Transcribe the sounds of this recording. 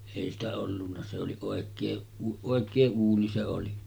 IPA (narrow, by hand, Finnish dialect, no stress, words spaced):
eˑi stæ olːunːɑ se oli oˑekˑeː oˑekˑeː uːni se oli